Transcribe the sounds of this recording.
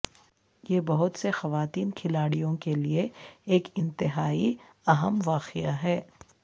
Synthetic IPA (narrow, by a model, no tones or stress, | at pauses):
jeːbɐɦʊt̪sexɐʋaːt̪iːnkʰɪlaːɽijõkelieeːkɪ̃nt̪ɪɦaːi | ɐɦəmʋaːqɪjaɦɛː